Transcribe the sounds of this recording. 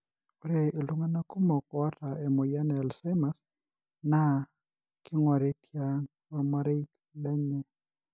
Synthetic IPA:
o˨ɾe˨ʔɪ˨lu˦ŋa˦na˦ku˦mo˨ka˦ta˨ɛ˨mo˨ja˦nɛ˨lsa˦ma˦s | na˦ | kɪ˦ŋwa˨ɾe˦tʰja˦ŋ | wa˦ma˦ɾe˦k | lɛ˦ɲɛ˦

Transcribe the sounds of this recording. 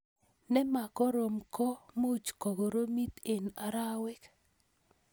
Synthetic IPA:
nɛ˦ma˨kɔ˦ɾo˨mkɔ˦mo˦˨t͡ʃkɔ˨ɡo˨ɾo˦mi˦t̪e˨na˨ɾa˦wɛ˦k

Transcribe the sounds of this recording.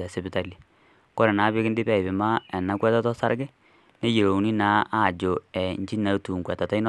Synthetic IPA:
a˨sɛ˨pi˨˦ta˨li˨ | kɔ˦ɾɛ˨na˨˦βɪ˦kɪ˦ndɪ˦pɛ˦˨ɪ˨bɪ˨ma˦ɛ˨na˨˦kwɛ˦ta˦tɔ˦sa̰˦ɾɡɛ˦ | ne˦je˨ɾo˨˦ni˦na˨˦a˦˨d͡ʒo˨ɛ˨ɲd͡ʒi˦na˨˦tu˨ŋkwɛ˨ta˨ta˦i˦n˦

